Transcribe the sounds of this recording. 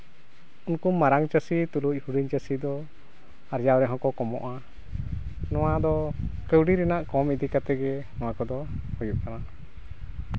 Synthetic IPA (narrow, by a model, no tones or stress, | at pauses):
unkumaɾaŋt͡ʃəsit̪uluc̚ˀhuɖiɲt͡ʃəsid̪ɔ | aɾd͡ʒawɾɛɦɔ̃kɔkɔmɔʔa | nɔwad̪ɔkəwɖiɾɛnaʔkɔmid̪ikat̪ɛɡɛnɔwakɔd̪ɔhujuʔkana